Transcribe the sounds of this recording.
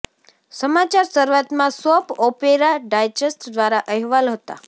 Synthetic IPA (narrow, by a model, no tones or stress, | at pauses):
səmat͡ʃaɾsəɾuʋat̪mãsɔpɔpeɾaɖajd͡ʒesʈd̪ʋaɾaʔəɦʋalɦət̪a̰